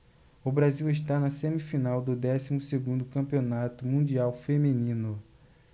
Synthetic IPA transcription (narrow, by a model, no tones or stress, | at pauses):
ʊbɾaziwɪʃ̬t̪anɐsẽmifinawd̪ʊd̪ɛsimʊseɡũnd̪ʊkɐ̃mpionat̪ʊmũd͡ʒiawfemĩnĩnʊ